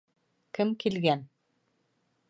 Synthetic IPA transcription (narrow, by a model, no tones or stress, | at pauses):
kɘmkilɡæn